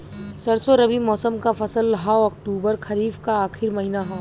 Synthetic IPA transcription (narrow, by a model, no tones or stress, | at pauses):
sɐɾsoɾɐbimɔːsəmkafɐsəlɦaɔːk̚ʈuːbəɾkʰɐɾiːbkaaːxɪɾmɐɦɪnaɦɛː